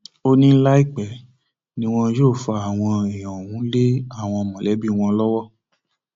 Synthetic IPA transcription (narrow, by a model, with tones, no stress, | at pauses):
o˦nĩ˦n̩˦la˦i˦˨k͡pɛ˨ | nĩ˧w̃ɔ̃˧˦joː˦˨fa˧a˦˨w̃ɔ̃˧ɛ˨j̃ɔ̃˨wũ˨˦le˦a˦˨w̃ɔ̃˧ɔ˧mɔ̃˨lɛ˨˦bi˦w̃ɔ̃˧lɔ˦wɔ˦